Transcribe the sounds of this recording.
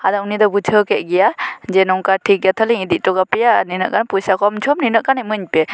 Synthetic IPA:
ad̪aunid̪ɔbud͡ʒʰəkɛʔ̚ɡɛjad͡ʒɛnɔŋkaʈʰik̚ːat̪ʰəliŋid̪iʔ̚tɔɡapɛjaninəʔkanpujsakɔmt͡ʃʰɔmninəʔkanamɯɲpɛ

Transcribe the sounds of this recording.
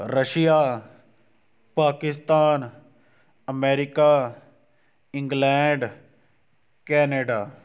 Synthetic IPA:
ɾəʃijaː | paːkɪst̪aːn | ɐmeːɾɪkaː | ɪ̃ŋɡlɛ̃ːɳɖ | kɛːneːɖaː

